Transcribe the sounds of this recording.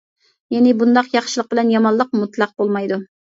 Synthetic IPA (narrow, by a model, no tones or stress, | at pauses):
jɛnɪbund̪ɑqjɑχʃilˠəq̚bɪlɛnjɑmɑnlˠəq̚mut̪lˠɑq̚bolˠmɑjd̪u